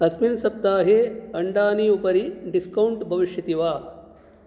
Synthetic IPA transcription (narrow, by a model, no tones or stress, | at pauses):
ɐsminsɐp̚t̪aːɦeːɐɳɖaːniːupɐɾiɖiskɐwuɳʈbʱɐʋiʃjɐt̪iʋaː